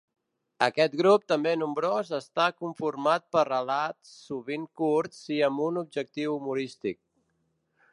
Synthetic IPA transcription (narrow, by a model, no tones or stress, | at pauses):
əkɛt̪ɡɾup̚t̪əmbenumbɾozəst̪akuɱfuɾmat̪̚pərəlat̪sːuβiŋkuɾt̪siəmbunub̚d͡ʒək̚t̪iwumuɾist̪ik̚